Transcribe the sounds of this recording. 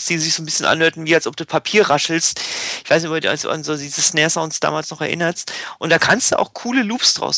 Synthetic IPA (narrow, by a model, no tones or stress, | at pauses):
sd̥iːzɪçz̥oːnbɪsçənʔa̰nhøːɐtn̩viːalsʔɔp̚d̥uːpʰapʰiːɐʁaʃl̩stɪçv̥aɪsnɪçtɔdṵːa̰lsdṵa̰nzoːdiːzəsneːɐsãʊ̃nsd̥a̰ːmaːlsnɔχɛɐʔɪ̰nɐstʔʊntd̥aːkʰanstd̥ṵʔa̰ʊxkʰuːləluːpsd̥ʁa̰ʊs